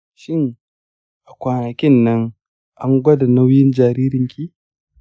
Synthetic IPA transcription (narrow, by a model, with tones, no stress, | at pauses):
ʃɪ˦ŋ | ʔa˨kʷaː˨nɐ˨kʲɪ˦nːɐ˦ŋ | ʔa˦ŋɡʷɐ˦da˨na˦wjɪ˦nd͡ʒaː˨ɾiː˦ɾɪ˨ŋkʲiː˦